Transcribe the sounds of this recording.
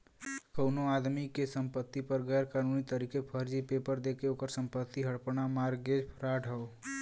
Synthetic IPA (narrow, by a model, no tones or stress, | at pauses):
kəʊnoad̪mikesəmpət̪ːipəɾɡɛjɾkanunit̪əɾikepʰəɾd͡ʒipepəɾd̪ekeoːkəɾsəmpət̪ːiɦəɽpnamaɾɡed͡ʒpʰɾaɖʱəo